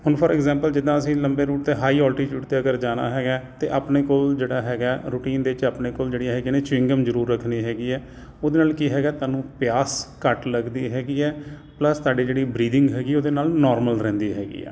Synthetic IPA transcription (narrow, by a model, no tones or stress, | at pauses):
ɦʊnpʰəːɾɛɡzɛ̃ːmpəld͡ʒɪd̪ːãːəsĩːləmbeːɾuːʈt̪eːɦaːiːɔːlʈiːʈjuːɖt̪eːəɡəɾd͡ʒaːna̰ːɦɛːɡɛːt̪ḛːʔaːpneːkoːld͡ʒeːɽaːɦɛːɡɛːɾuːʈiːnd̪eːɪt͡ʃaːpneːkoːld͡ʒeːɽiɦɛːɡinẽːt͡ʃɪ̃ŋɡəmzəɾuːɾːəkʰniːɦɛːɡiːɛː | oːd̪eːnaːlkiːɦɛːɡaːt̪waːnũːpɪjaːskəʈləɡd̪iːɦɛːɡiːɛː | pləst̪aːɖiːd͡ʒeːɽiːbɾiːd̪ɪ̃ŋɡɦɛːɡiːoːd̪eːnaːlnɔːɾməlɾɛ̃ːnd̪iːɦɛːɡḭːɛ̰ː